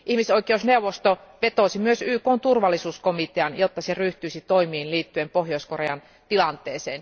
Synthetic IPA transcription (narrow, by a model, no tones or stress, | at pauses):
ʔihmisoikˑeusneuʋˑost̪oʋet̪oˑsimyøsyːkoːnt̪urʋɑlːˑisuːskomit̪eɑnjot̪ːɑseryht̪yisit̪oimiːnliːt̪ːyempohjoiskoreɑn | t̪ilɑnt̪ˑeːseːn